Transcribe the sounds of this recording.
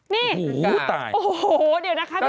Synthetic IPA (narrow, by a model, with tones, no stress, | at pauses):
nɛː˥˩˨t̪a̰ː˨˩jo˨hho˨˩di˨˩˦na˦˥kʰa˦˥